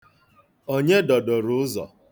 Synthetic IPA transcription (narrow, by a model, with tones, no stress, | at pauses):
o˦ɲe˦dɔ˨dɔ˨ɾʊ˦ʊ˦zɔ̰˨